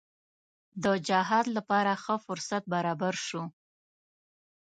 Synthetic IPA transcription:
d̪əd͡ʒaɦɑd̪lapɑɾaxəfʊɾsat̪̚baɾɑbaɾʃu

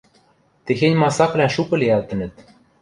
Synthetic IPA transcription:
t̪exenʲmɑsɑklʲæʃupɤ̆leælt̪ɘ̆nɘ̆t̪̚

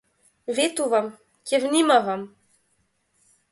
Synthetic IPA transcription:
vet̪uvam | kʲevnimavam

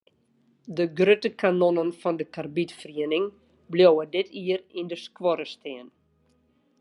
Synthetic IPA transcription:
dəɡrøtəkanonənfɔndəkarbitfriənɪŋ | bljowədɪtʰiərindəskwɔɾəstʰiən

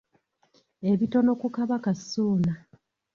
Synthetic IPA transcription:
e̞βito̞no̞kukaβakasːuːna

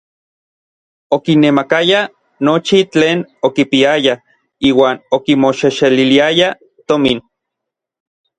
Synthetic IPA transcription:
okinːemakaja | not͡ʃit͡ɬeːnokipiaja | iːwaːnokimoʃeʃeliliaja | t̪omin

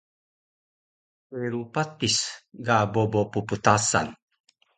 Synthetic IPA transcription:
eɾupat̪ːisɡabobopuput̪asa̰n

